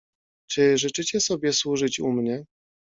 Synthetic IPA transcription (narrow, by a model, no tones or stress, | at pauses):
t͡ʂɘʐɘt͡ʂɘt͡ɕɛsɔbʲjɛswuʐɘt͡ɕumɲɛ